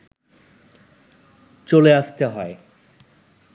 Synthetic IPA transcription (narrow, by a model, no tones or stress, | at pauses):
t͡ɕoleaʃt̪eɦɔe